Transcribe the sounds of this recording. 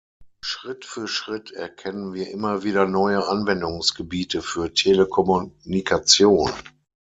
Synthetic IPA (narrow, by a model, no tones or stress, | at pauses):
ʃʁ̥ɪtfyːɐʃʁ̥ɪtʰɛɐkʰɛnənviːɐʔɪmɐviːɾɐnɔʏəʔanvɛndʊŋsɡ̥əbiːtəfyːɐtʰeləkʰɔmunikʰat͡sjoːnə